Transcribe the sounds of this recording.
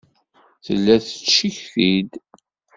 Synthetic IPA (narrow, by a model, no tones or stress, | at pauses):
θə̰lːæθə̥t͡sːʃiçθid̪